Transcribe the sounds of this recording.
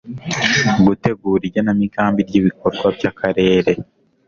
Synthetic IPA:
ɡute̞ɡuːɾiɾɟanamikaːmbiɾɟiβikoɾɡwabɟakaɾe̞ːɾe̞

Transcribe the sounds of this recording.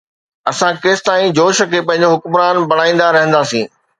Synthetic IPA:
ɐsãkeːst̪aːĩd͡ʑoːʃə̆kʰepɐ̃ɦɪ̃ɲ̆d͡ʑoɦʊkmɾaːnbɐɽ̃aːĩːn̆d̪aɾɐɦə̃nd̪aːsĩː

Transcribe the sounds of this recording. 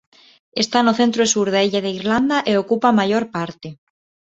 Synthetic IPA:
est̪anoθent̪ɾoesuɾðaeʎaðeiɾland̪aʔeokupamajoɾpaɾt̪e

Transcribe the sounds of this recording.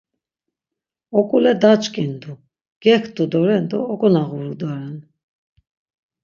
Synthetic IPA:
ɔkʼulɛd̪at͡ʃʼkʼind̪u | ɡ̥ɛkʰt̪ud̪ɔɾɛnd̪ɔːkʼɔnaɣuɾud̪aɾɛn

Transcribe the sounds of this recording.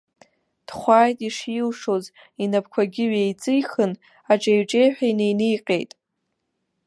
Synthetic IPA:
d̥χʷaːjtʼiʂilʂo̞z | inap̚ʰkʷʰaɡʲɪɥejt͡sʼɨjχɨn | aʈ͡ʂʼejɥʈ͡ʂʼe̞jħᶣajnejnijqʲʼe̞̰jtʼ

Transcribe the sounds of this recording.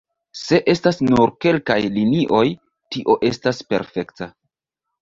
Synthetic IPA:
se̞ʔe̞stasnuɾke̞lkajliniʔo̞j | tiʔo̞ʔe̞staspe̞̰ɾfe̞kta

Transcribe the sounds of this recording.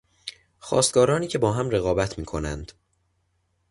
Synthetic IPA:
xɒ̰ːst̪̚ɡɒːɾɒːniːcʰe̞bɒːɦæmreɣɒːbæt̪ʰmiːkʰo̞næ̰nd̪̥

